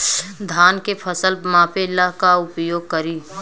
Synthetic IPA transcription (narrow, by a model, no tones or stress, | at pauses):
d̪ʱaːnkepʰəsəlmãːpʰelaɦkaʊpjoːɡ̚kəɾiː